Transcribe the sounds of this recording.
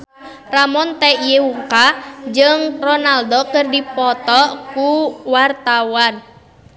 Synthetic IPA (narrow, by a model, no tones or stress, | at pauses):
ramɔnt̪ɛijeuŋkad͡ʒɨŋrɔnaldokɨrdipɔt̪ɔkuwart̪awan